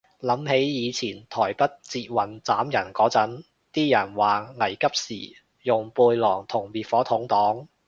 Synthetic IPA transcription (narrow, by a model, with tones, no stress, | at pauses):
lɐ˨˥mhe˨˥jjiː˨˧t͡sʰiː˨˩nt̪ʰɔː˨˩jpɐ˥t̚t͡siː˧t̚wɐ˨˩nt͡saː˨˥mjɐ˨˩nkɔː˨˥t͡sɐ˨˥n | t̪iː˥jɐ˨˩nwaː˨˩ŋɐ˨˩jkɐ˥p̚sḭː˨˩ | jʊ˨ŋpuː˧jlɔː˨˩ŋt̪ʰʊ˨˩ŋmiː˨˩t̚fɔː˨˥t̪ʰʊ˨˥ŋt̪ɔː˨˥ŋ